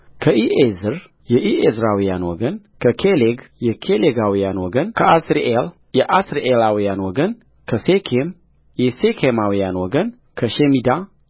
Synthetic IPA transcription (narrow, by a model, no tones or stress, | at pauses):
kʰəʔiʔezɨɾ | jɛʔiʔezɾawijanwɔɡən | kʰəkʰeleɡjɛkʰeleɡawijanwɔɡənkʰəʔasɾiʔel | jɛʔasɾiʔelawijanwɔɡən | kʰəsekʰem | jɛsekʰemawijanwɔɡən | kʰəʃemid̪a